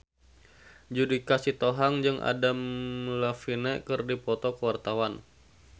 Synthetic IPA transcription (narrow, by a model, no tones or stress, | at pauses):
d͡ʒudikasit̪oɦaŋd͡ʒɨŋʔa̰damlafinɛkɨrdipɔt̪ɔkəwart̪awan